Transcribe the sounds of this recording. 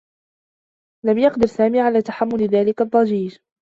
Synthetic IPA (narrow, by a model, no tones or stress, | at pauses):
lamjɑqd̪ɪɾsaːmiːʕalaːt̪aħamːʊlɪðaːlɪkad̪ˤːɑd͡ʒiːd͡ʒ